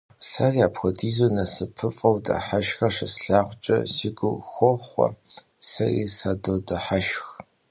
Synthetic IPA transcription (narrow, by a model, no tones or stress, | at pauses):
ɬɐrjaːpxʷɔdiːzonɐsɨpʰɨfʼɐwda̰ħaʃxɐʂɐsɬaːʁʷt͡ʃʼɐ̰siːɡʷʊxʷɔχʷɔ̰ | sɐrḭsaːdowdaħaʃx